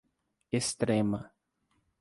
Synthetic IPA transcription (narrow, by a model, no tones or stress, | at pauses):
est̪ɾẽmɐ